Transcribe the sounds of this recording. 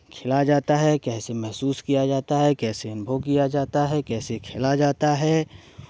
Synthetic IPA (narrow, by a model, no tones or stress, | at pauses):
kʰelad͡ʒaːt̪aɦɛkɛɦsemɛɦsuːskijad͡ʒaːt̪aɦɛkɛːseɐnbʱokijad͡ʒaːt̪aɦɛkɛːsekʰelad͡ʒaːt̪aɦɛː